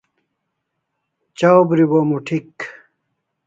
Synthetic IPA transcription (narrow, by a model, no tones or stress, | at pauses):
t͡ɕawbɾibomuʈʰik